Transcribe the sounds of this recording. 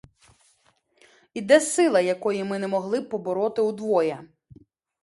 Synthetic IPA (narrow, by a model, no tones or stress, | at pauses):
id̪ɛsɪlˠɐjɐkɔjimɪnɛmɔɦlˠɪpɔbɔɾɔt̪ɪud̪ʋɔjɛ